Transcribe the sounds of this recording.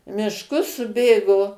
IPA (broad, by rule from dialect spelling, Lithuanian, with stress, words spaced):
mʲɪʃˈkʊs sʊˈbʲeːɡoː